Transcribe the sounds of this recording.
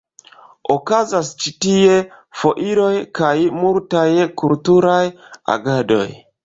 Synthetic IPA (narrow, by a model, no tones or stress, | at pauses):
okazast͡ʃitie̞fo̞ʔiɾo̞jkajmultajkultuɾaja̰ɡado̞̰j